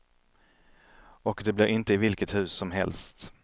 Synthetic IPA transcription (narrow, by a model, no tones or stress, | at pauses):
ɔkd̪ɛblɪɾɪnt̪əɪvɪlkət̪hʉ̟ːsːɔmɦɛ̰lst̪